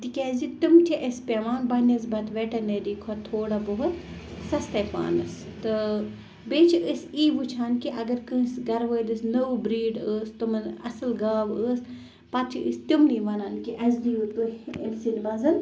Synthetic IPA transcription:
t̪ikʲaːzit̪umtʰiʔɐspʲemaːnbɐnɐzbɐt̪ʋeʈɐneɾiːkʰɐt̪ʰoːɽabɐɦut̪ | sɐst̪ɐpa̰ːnɨs | t̪ɨ | beːt͡ʃʰiʔəsiːʋut͡ʃʰaːnkiʔɐɡɐɾkɨ̃ːsɡɐɾʋəːjlɨsnɐʋbɾiːɖəːst̪umɨnɐ̰sɨlɡaːʋəːs | pɐt̪ʰiɨ̰st̪umniːʋɐnaːnkiʔɐzd̪iut̪uḛlsinʋazɐn

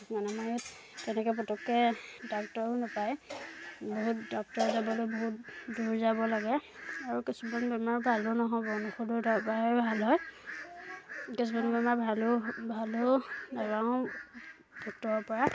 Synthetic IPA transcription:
manɛmajut | tɛnɛkɔp̬ɔtɔkːɛdɔk̚tɔɹʊnapaj | boɦutdɔk̚tɔɹzabɔlojboɦut̚duɹzabɔlaɡɛaɹukisumanbɛmaɹbʱalʊnɔɦɔbɔnɔxududbabʱalɦɔj | kisumanbɛmaɹbʱalobʱalodaɡaʊ̃ | d̥ɔk̚tɔɹɔɹpɔɹa

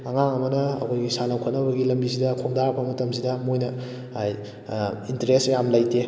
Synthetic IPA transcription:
ɐŋaŋɐmɐnɐɐkʰojɡisanɐwkʰotnɐβɐɡilɐmbisidɐkʰoŋ̚daɾbɐmɐtɐmsidɐmojnɐ | aj | intɾesjamlajte

